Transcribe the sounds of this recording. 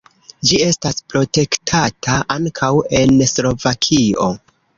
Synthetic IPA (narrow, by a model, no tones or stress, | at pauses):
d͡ʒie̞staspɾo̞te̞ktʰatʰaʔaŋkʰawe̞nslo̞vakʰio̞̰